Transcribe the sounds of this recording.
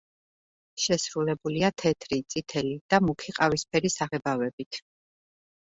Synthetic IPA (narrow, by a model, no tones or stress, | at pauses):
ʃɛsɾulɛbuliat̪ʰɛt̪ʰɾit̪sʼit̪ʰɛlid̪̥amukʰiqʼavispʰɛɾisaʁɛbavɛbit̪ʰ